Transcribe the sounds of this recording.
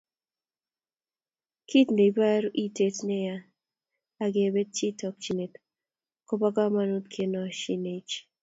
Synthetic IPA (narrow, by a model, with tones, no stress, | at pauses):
kʰi˦tne˨ba˦ɾu˦ʔi˦te˦tnɛ˦ja˦ | a˨ɡe˨be˦t̚t͡ʃi˦tɔ˨k̚t͡ʃi˨ne˨t | ko˦ba˦ɡa˦ma˦nu˦t̪̚kʰe˨nɔ˨ʃi˦ne˨t͡ʃ